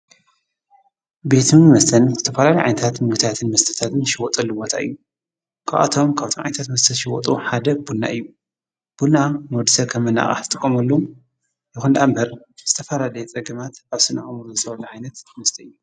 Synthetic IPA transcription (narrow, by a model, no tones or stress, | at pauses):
be̞t̪ʰɨmɐst̪ʰɐnzɨt̪ʰɐfɐlalijʕa̰jnɐt̪ʰat̪mɨɡɨt̪ʰat̪ʰɨnmɐst̪ʰɐ̥t̪ʰat̪ɨnʃɪwɔt̪ʼɐlːubot̪ʰa̰ʔɨ̰jːu | kʰa̰βa̰t̪ʰo̞mkʰaβt̪ʰomʕa̰jnɐt̪ʰat̪mɐst̪ʰɐnʃɪwɔt̪ʼuħad̪ɐb̥unːa̰ʔɨjːu | b̥unːamod̪ɨsɐkʰɐmːɨna̰χʼa̰ħt̪ʰɨt̪ʼɨkʼːomɐlːo | jɪxund̪ʔambɐɾ | z̥ɨt̪ʰɐfɐlalɐjɛt͡sʼɐɡɐmat̪ʔaβsɨna̰χʼɐmuɾzɨt̪ʰɐβɐlɐʕajnɐt̪mɐst̪ʰɐɨjːu